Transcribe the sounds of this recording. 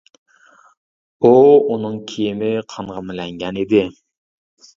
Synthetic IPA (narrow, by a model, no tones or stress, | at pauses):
uunɨŋkʲʰijɪmɪqʰɑɴʁɑmɪlɛŋɡʲɛned̪ɪ